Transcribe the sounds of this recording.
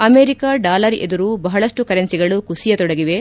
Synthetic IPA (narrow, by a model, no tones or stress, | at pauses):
ɐmeːɾikaːɖaːlɐɾḛd̪uɾubɐɦɐɭɐʂʈukɐɾensiɡɐɭukusijɐt̪ɔɽɐɡiʋe̞